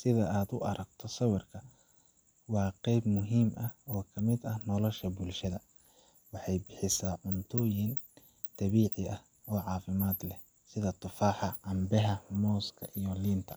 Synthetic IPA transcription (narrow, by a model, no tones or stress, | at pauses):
sɪðɐaːd̪ʊ̰ʔɐɾɐɡ̚t̪ʰɔsɐwɪrkʰɐ | wɑːqɛjbmʊɦiːmʔɐhɔːkʰɐmɪd̪ɐhnɔlɔʃɐbʊlʃɐðɐ | wɑħɑjbɪħɪsaːʕʊnt̪ʰɔːjɪn | t̪ʰɐβiːʕɪɐh | ɔːʕɑːfɪmaːd̪lɛ | sɪðɐt̪ʰʊfaːħɑʔɐmbɛɦɐmɔːskʰɐ̰ʔijɔliːnt̪ʰɐ